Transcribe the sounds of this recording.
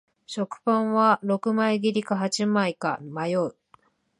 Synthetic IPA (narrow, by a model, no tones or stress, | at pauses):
ɕo̞kɯ̟̥pãɰ̃βaɾo̞kɯ̟maiɡʲiɾʲikaɦat͡ɕimaika̰majo̞ɯ